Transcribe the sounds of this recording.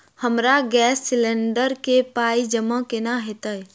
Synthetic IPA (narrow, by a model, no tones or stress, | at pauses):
həmɾaɡɛːsːɪlẽɳɖəɾkepaːid͡ʒəmãkenaɦet̪əj